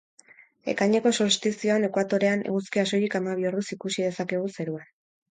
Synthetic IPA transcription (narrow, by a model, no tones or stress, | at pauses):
e̞̰kaɲe̞ko̞soɾst̪isio̞ene̞kwat̪o̞ɾe̞anḛɣuskiasojikamaβiorusikusið̞e̞sake̞ɣ̞use̞ɾuan